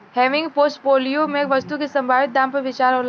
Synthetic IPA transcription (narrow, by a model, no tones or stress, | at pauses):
hɛːʋɪ̃ŋɡpoːsʈpoːlijomẽkʋɐst̪ukʰesɐ̃mbʱaːʋɪt̪̚d̪ãːmpɐɾʋɪt͡ʃaːɾɦol